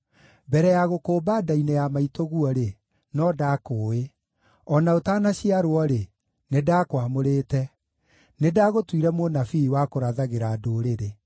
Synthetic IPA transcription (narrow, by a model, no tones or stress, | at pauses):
bɛɾɛjaɣokoːbadainejamaitoɣuɔɾe | nɔdaːkoːe | ɔnaotaːnaɕiaɾoɔɾe | nedakwamoɾeːtɛ | nedaːɣotwiɾɛmonafiwakoɾaðaɣeɾaːdoɾeɾe